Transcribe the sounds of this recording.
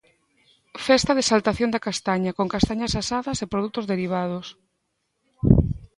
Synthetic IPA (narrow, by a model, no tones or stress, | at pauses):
fɛst̪ɐðesalt̪aθjond̪ɐkast̪aɲɐkoŋkast̪aɲɐsasaðɐsepɾoð̞ut̪ʊzðeɾiβ̞að̞os